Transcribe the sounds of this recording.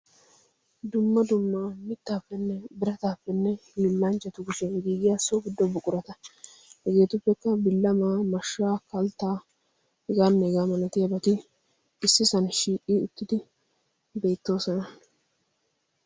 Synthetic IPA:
d̪ʊmːɐd̪ʊmːaːmɪt̪ːaːpːɛnːɛbɪɾɐt̪aːpːɛnːɛhiːlːɐnt͡ʃɐt̪ʊɡʊʃɛɡiːɡɪjasɔbɪd̪ːɔbʊkʼʊɾɐt̪ɐ | hɛɡe̞ːt̪ʊpːɛkːɐbɪlːɐmaːmɐʃːaːkɐlt̪ːaː | hɪɡaːnːɛɡaːmɐnɐt̪ɪjɐbɐt̪ɪ | ɪsːɪsɐnʃiːkʼːiːʊt̪ːɪd̪ɪ | be̞ːt̪ːo̞ːsɔnɐ

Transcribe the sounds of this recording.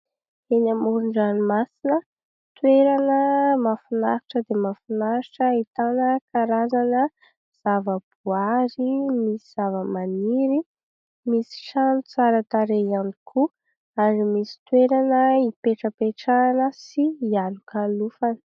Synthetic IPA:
enamuɾuɳɖ͡ʐanimasinə | t̪weɾanəmafunaɾiʈ͡ʂəd̪emafunaɾiʈ͡ʂəit̪anəkaɾazanə | z̥avəb̥uaɾimisiz̥avəmaniɾi | misi̥ʃanut͡saɾat̪aɾeianikʰu | aɾimisi̥t̪weɾanəipeʈ͡ʂəpeʈ͡ʂanəsiːalukʰalufanə̥

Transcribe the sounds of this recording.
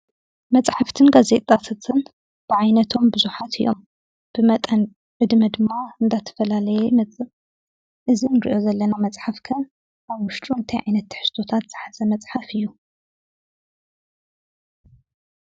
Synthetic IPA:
mɐt͡sʼħaft̪ʰɨnɡaze̞t̪ʼːat̪ʰat̪ʰɨn | b̥ɨʕajnɐt̪ʰo̞mbɨzuħat̪ʰɨjːo̞̰m | b̥ɨmɐt̪ʼɐn | ʕɨd̪mɐd̪ɨmːaɨnd̪at̪ʰɐ̥fɐlalɐjɛmɐt͡sʼɨ | ʔɨzinɨɾḭʔo̞zɐlːɐnamɐt͡sʼħafkʰɐ | ʔaβwʊʃt͡ʃ̪ʼunt̪ʰɐjʕajnɐt̪ːħɨ̥st̪ʰo̞t̪ʰat̪z̥ɨħaz̥ɐmɐt͡sʼħafɨjːu

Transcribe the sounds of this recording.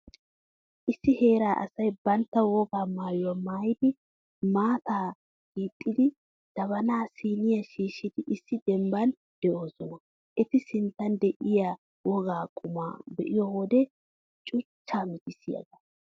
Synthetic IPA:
ʔɪsːɪhe̞ːɾaːʔɐ̰sɐjbɐnt̪ːɐwɔɡaːmaːjʊwamaːjɪd̪ɪ | maːt̪aː | ɡ̥iːt̪ʼːɪd̪ɪ | d̪̥ɐβɐnaːsiːnɪjɐʃiːʃːɪd̪ɪʔɪsːɪd̪ɛmbɐn | d̪̥ɛʔo̞ːsɔnɐ | ʔɛt̪ɪsɪnt̪ːɐnd̪ɛʔɪja | wɔɡaːkʼʊma̰ːbɛʔɪjɔwɔd̪ɛ | t͡ʃʼʊt͡ʃːaːmɪt̪ɪsɪjɐ̰ɡɐ̥

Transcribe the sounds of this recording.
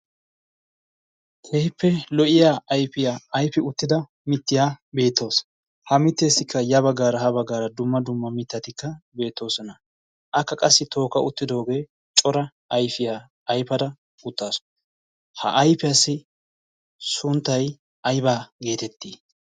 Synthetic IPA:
t̪ʰehɪpːɛlɔʔɪjaːɐjpɪjaːɐjfɪʊt̪ːɪd̪ɐ | mɪt̪ːɪjaːbe̞ːt̪ːo̞ːs | hɐmɪt̪ːe̞ːsːɪkʰːɐjɐbɐɡːaːɾɐhɐbɐɡːaːɾɐd̪ʊmːɐd̪ʊmːɐmɪt̪ːɐt̪ɪkːɐbe̞ːt̪ːo̞ːsɔnɐ | ʔɐkːɐkʼɐsːɪt̪ʰo̞ːkɐʊt̪ːɪd̪o̞ːɡe̞ː | t͡ʃʼɔɾɐ | ɐjfɪjaː | ɐjpɐd̪ɐ | ʊt̪ːaːsɔ̥ | hɐ̰ʔɐjpɪɐsːɪ | sʊnt̪ːɐj | ɐjbaːɡe̞ːt̪ɛt̪ːiː

